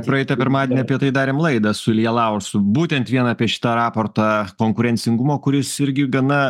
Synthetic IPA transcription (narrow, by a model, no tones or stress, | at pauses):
pɾɐɛɪt̪ɐpʲɪɾmɑːd̪ʲeːnʲɛɐpʲiɛt̪ɐɪd̪ɑːɾʲeːmlˠɐɪd̪ɐsʊɪlʲjɛlˠɐʊɾsʊbuːt̪ʲɛnt̪ʋʲiɛnɑːpʲiɛʃʲɪ̥t̪ɐɾɑːpoːɾt̪ɑkoːŋkʊɾʲɛnʲsʲɪŋɡʊmoːkʊɾʲɪsɪɾʲɡʲɪɡɐnɐ